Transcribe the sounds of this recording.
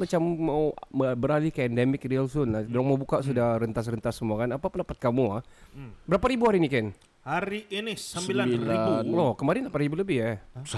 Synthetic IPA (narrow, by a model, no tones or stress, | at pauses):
mat͡ʃamːawbəɾalikəɛndɛmɪk̚rialsunladoɾaŋmawbukaʔs̬udahɾənt̪as̬rənt̪asːəmuakanapapunapat̪̚kamuahbəɾapaɾibuhaɾinikan | haɾiʔenɪssəsilailanlɔkəmaɾɪnlapaɾibuləbɪha